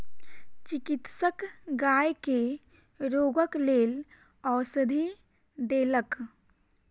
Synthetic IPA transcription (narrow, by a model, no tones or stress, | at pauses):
t͡ʃɪkɪt̪səkɡaːjke | ɾoːɡəkleːl | ɔːɾsəd̪ʱi | d̪eːlək